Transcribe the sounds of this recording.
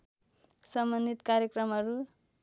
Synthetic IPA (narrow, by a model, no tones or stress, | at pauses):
sʌmbʌnd̪ʱit̪kaɾjʌkrʌmɦʌɾu